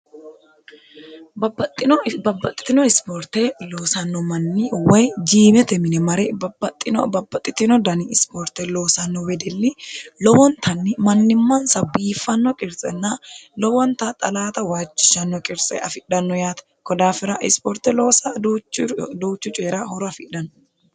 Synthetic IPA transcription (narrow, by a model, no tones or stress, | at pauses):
bɐbːɐt̪ʼːɪnɔbɐbːɐt̪ʼːɪ̥t̪ːɪnɔɪspɔɾt̪eloːsɐnːɔmɐnːiwɐjd͡ʒiːmɛt̪ɛmɪnɛmɐɾɛbɐbːɐt̪ʼːɪnɔ̰bɐbːɐt̪ʼːɪt̪ːɪnɔd̪ɐniɪspɔɾt̪ɛloːsɐnːɔwɛd̪ɛlːɪlɔwɔnt̪ʰɐnːɪmɐnːɪmːɐnsɐbiːfːɐnːɔkʼɪɾsʼɛnːaːlɔwɔnt̪at̪ʼɐlaːt̪ɐwaːt͡ʃːɪ̥ʃɐnːɔkʼɪɾsʼɛ̰ɐfɪᶑɐnːɔjaːt̪ɐ̥ | kɔd̪aːfɪɾaʔɪ̰spɔɾt̪ɛloːsad̪t͡ʃːd̪uːt͡ʃːʊt͡ʃʼeːɾaːhɔɾɔɐfɪᶑɐn